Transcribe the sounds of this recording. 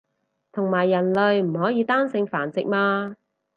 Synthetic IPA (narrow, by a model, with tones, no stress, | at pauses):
t̪ʰʊ˨˩ŋmaː˨˩jːɐ˨˩nlɵ˨ɥm̩˨˩hɔː˨˥jiː˨˧t̪aː˥nsɪ˧ŋfaː˨˩nt͡sɪ˨k̚maː˧